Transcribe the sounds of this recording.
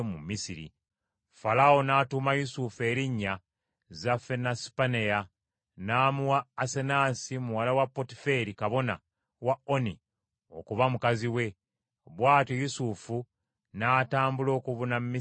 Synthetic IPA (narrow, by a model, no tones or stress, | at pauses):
mumːisiɾḭ | falao̞naːtumajusufue̞ɾiɲːa | zafenasi̥paneja | naːmuwaːse̞nasimuwalawapːotife̞ɾikaβo̞na̰ | wao̞ni | o̞̰kuβamukaziwe̞ | βwaːtijusufu | naːtaːmbulo̞ːkuβunammi